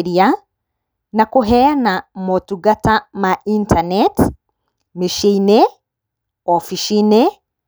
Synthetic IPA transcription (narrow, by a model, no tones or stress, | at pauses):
ɾia | nakuɦɛanamotuɡatamaʔintʰanet | miʃine | ofiʃine